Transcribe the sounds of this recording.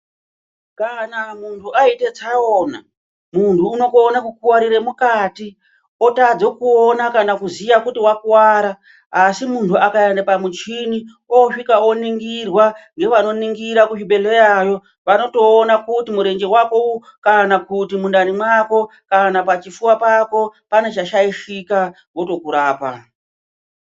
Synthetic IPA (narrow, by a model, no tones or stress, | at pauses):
kanamuntʰuaite̞t͡saona̰ | muntʰuːno̞koːnakukuwaɾiɾe̞mukati | o̞tad͡zo̞kuonakanakuzijakutiwakuwaːɾaː | simuntʰuakaendapamut͡ʃini | oʂikao̞niŋɡirwaŋɡe̞ʋano̞niŋɡiɾakuʃiɓe̞le̞jajo̞ | ʋano̞to̞ːnakutimuɾe̞ŋd͡ʒe̞wakou | kanakutimundanimwako̞ | kanapat͡ʃifuwapako̞pane̞t͡ʃaʃaiʂika | woto̞kuɾaːpa̰